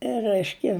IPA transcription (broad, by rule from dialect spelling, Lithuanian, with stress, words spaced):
ˈrʲæɪʃʲkʲɛ